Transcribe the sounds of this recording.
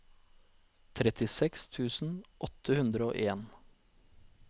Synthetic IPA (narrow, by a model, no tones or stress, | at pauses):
t̪ʰɾɛt̪ɪsɛkst̪ʰʉːsn̩ʔɔt̪əhʉnd̪ɾəo̰ːʔeːn